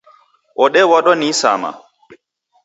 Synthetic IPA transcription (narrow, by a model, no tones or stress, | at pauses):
ʔɔɗɛwaɗɔnisa̰ma̰